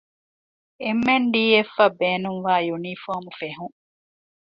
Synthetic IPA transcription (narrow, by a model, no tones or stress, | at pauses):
emːenɖiːefːɐbeːnuŋʋaːjunifoːmufeɦuŋ